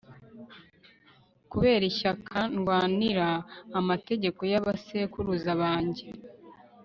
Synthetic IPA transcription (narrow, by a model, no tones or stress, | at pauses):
kuβe̞ːɾiçakʰanɡwaːniɾaːmate̞ɟe̞ko̞jaβasekuɾuzaβaːɲɟe̞